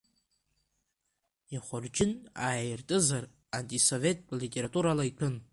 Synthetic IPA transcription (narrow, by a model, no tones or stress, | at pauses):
jaχʷʊrd͡ʒɪnaːjɪrtʼɨzar | antʼiso̞ve̞tʼlitʼe̞ɾatʼuɾalaitʰɨn